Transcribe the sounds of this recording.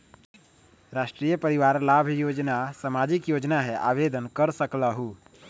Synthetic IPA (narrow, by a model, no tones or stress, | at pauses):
ɾaːʃʈɾijəpəɾiʋaːɾlaːbʱjoːd͡ʒnasamaːd͡ʒɪkjoːd͡ʒnaɦɛʔa̰ːʋeːd̪ʱənkəɾsəklaɦuː